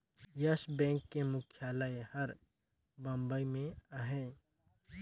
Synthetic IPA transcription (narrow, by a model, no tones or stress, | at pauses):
jɐʃbɛ̃ːŋkːemʊkʰjaːlaehɐɾ | bɐ̃mbəimẽaɦɛ̃ː